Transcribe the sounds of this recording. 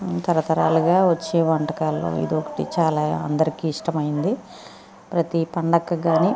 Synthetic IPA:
t̪ɐɾɐt̪ɐɾa̰ːluɡaːʋɐt͡ʃːeːʋɐɳʈɐkaːlːo̰ːḭd̪iɔkɐ̥ʈḭt͡ʃaːlaːɐ̰nd̪ɐɾikiːʂʈɐmɐjind̪i | pɾɐt̪ipɐɳɖɐkːɐɡaːni

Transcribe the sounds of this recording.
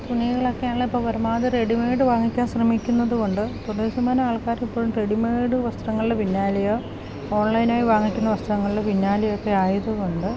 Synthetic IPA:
t̪uɳijɐɣɐɭokːeaːɭːɐipːoɭʋɐɾɐmaːðɐre̞ɽimeːɖɨʋaːŋːikʲːaːnɕrɐmikʲːunːɐðuɣoɳɖɨt̪uɽɐsɐmaːnɐaːɭkaːɾmipːo̞ːɻumre̞ɽimeːɽɨʋɐst̪rɐŋːɐɭileʋinːaːlɐjo | o̞ːɳlɐjnaːjiʋaːŋːikʲːunːɐʋɐst̪rɐŋːɐɭiɽeʋinːaːlɐjo̞kːe̞aːjɐðɐoɳɖɨ

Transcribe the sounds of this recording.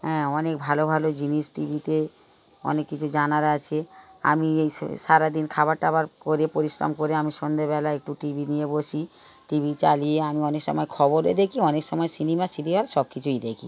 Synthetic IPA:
ɦɛ̃ɔnek̚bʱalobʱalod͡ʑiniʃʈibʱit̪e | ɔ̰nekːit͡ɕʰud͡ʑanaɾat͡ɕʰea̰miej̰ʃaɾad̪inkʰabaɾʈaabaɾkoɾepoɾisɾa̰mkoɾeamiʃond̪ebɛlaek̚ʈuʈibʱinijeboʃi | ʈibʱit͡ɕalieamiɔnekʃɔ̰mɔekʰɔboɾed̪ekʰiɔnekʃɔmɔesinimasinimaɾʃɔb̚kit͡ɕʰujd̪ekʰḭ

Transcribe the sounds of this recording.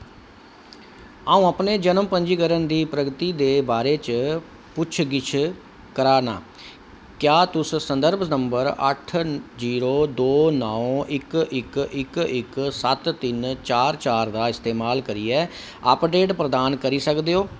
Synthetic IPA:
aːũːəpneːd͡ʒənəmpəɲd͡ʒiːkəɾənd̪iːpɾəɡt̪iːd̪eːbaːɾeːt͡ʃ | pʊt͡ʃʰɡɪt͡ʃʰ | kəɾaːna̰ː | kjaːt̪ʊssənd̪əɾbʱnəmbəɾə̰ʈʰziːɾoːd̪oːnɔːɪkɪkɪkɪksət̪ːɪnt͡ʃaːɾt͡ʃaːɾd̪aːɪst̪eːmaːlkəɾiːɛː | əpɖeːʈpɾəd̪aːnkəɾiːsəkd̪eːoː

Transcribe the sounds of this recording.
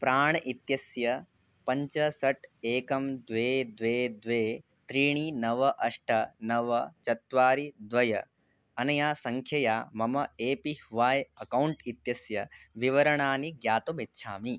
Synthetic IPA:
pɾaːɳɐʔit̪jɐsjɐ | pɐɲt͡ʃɐsɐʈeːkɐmd̪ʋeːd̪ʋeːd̪ʋeː | t̪ɾiːɳiːnɐʋɐʔɐʂʈʰɐnɐʋɐt͡ʃɐt̪ʋaːɾid̪ʋɐjɐ | ɐnɐjaːsɐŋkʰjɐjaːmɐmɐeːpihʋaːjɐkɐwɳʈit̪jɐsjɐʋiʋɐɾɐɳaːniɡjaːt̪omitːʃʰa̰ːmi

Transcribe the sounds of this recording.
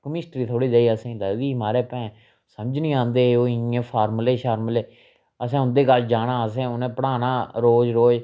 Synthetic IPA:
kəmɪsʈɾiːt̪ʰoːɽiːd͡ʒaːiːəsẽːlədiːmaːɾeːpɛ̃ː | səməd͡ʒnĩːãːnd̪eːoːɪẽːpʰaːɾmleːʃaːɾmleː | əsɛ̃ːʊ̃nd̪eːkəld͡ʒaːnãːəsɛ̃ːʊnẽːpəɽaːnaːɾoːd͡ʒɾoːd͡ʒ

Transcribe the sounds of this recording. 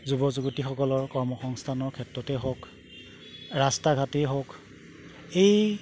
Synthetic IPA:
zubɔzuɡutixɔkɔlɔɹkɔɹmɔxɔŋstʰanɔɹkʰɛtɹɔtɛɦok | ɹastaɡʱateɦok | ej

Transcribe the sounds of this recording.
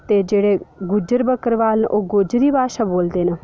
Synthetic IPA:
t̪eːd͡ʒeːɽeːɡʊd͡ʒəɾbəkəɾʋaːlnʔoːɡod͡ʒɾiːbaːʃaːboːld̪eːnə

